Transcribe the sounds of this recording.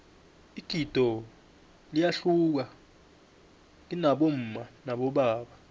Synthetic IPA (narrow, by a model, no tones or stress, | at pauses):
iɡ̥ʱid̥ʱɔ | lijaɬuk̬a | linaɓom̩ːmanaɓɔɓaːɓa